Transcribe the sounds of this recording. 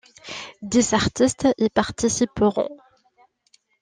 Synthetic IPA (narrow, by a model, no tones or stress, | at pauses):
d̪ezaʁt̪ist̪epaʁt̪isipəʁɔ̰̃